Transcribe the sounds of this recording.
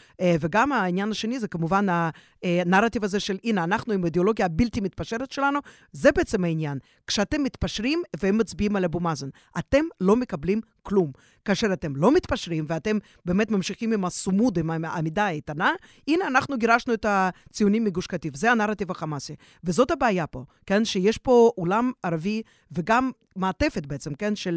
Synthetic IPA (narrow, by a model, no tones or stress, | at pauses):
veɡamainjanaʃenizekamuvana | naɾat̪ivazeʃelineanaχnuimaid̪eolo̞ɡijaːbilt̪imit̪̚paʃeɾet̪ʃelanu | zebeet͡semhainjan | kʃeat̪emːit̪paʃɾimveemːat͡sbiimalabumazon | ʔat̪e̞mlo̞mekablim | klum | kaːʃeɾat̪emlo̞mit̪paʃɾimveat̪em | beːmet̪mamʃiχimimasumud̪imaa̰mid̪ait̪ana | ineanaχnuɡiɾaʃnuet̪at͡sijunimːiɡuʃkat̪ivzeanaɾat̪ivaχamasi | vezo̞t̪habeajapo̞kenʃejeʃpo̞ulamaɾavi | veɡamː | aːt̪e̞fet̪beet͡semkenʃel